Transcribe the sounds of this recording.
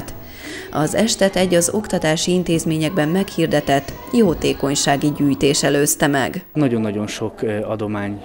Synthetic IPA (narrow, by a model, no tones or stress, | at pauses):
t̪ | ɒzɛʃt̪ɛt̪ɛɟːɒzo̞kt̪ɒt̪aːʃiint̪eːzmeːɲɛɡbɛmːɛkhiːrd̪ɛt̪ɛt̪ː | joːt̪eːko̞ɲʃaːɡiɟyːjt̪eːʃɛløːst̪ɛmɛ̰ɡnɒɟo̞nːɒɟo̞nʃo̞kɒd̪o̞maːɲ